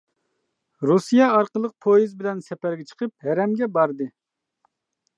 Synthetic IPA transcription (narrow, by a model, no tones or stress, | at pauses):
ɾusijɑːɾqəlˠəq̚pʰojizbɪlɛnsɛpæɾɡʲɛt͡ʃʰə̥qʰəp̚hæɾɛmɡʲɛbɑɾd̪ɨ